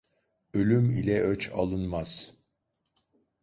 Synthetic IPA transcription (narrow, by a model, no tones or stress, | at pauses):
ø̞lʲymilʲɛʔøt͡ʃʰa̰lˠɯnmaz̥